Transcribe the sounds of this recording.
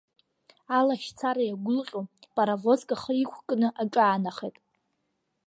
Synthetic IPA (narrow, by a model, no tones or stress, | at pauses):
alaʃt͡sʰaɾajaɡʷʊlqʲʼopʼaɾavo̞zkʼaχəikʷʰkʼnɨʔaʈ͡ʂʼaːnaχejtʼ